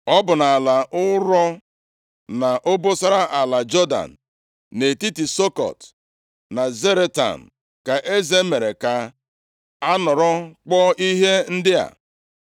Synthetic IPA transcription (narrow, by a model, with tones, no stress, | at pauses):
ɔ˦bʊ˨na˨la˨ʔʊ˦ɾɔ˦ | na˨ʔo˦bo˦sa˦ɾa˦ʔa˨la˨d͡ʒɔ˦da̰˨n̩˨ | ne˨ti˦ti˨so˦kɔ̰˨t | na˨ze˦ɾe˦ta̰˨n̩˨ | ka˨ʔe˦ze˦me˨ɾe˨ka˨ | a˦nɔ˨ɾɔ˦k͡pɔ˦ʔi˦ɦe˦n̩˦dɪ˦a̰˨